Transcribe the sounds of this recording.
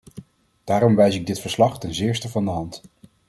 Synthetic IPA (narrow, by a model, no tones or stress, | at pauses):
d̥aːɾɔmʋɛjsɪɡ̚dɪtfəɹslɑχtɛnzɪːɹstəvɑndəɦɑnt